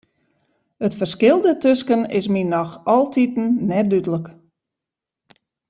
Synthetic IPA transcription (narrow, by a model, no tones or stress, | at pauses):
ətfərskɪlˠdətøskənɪ̰sminɔxɔlˠtʰitn̩nɛt̚dydələk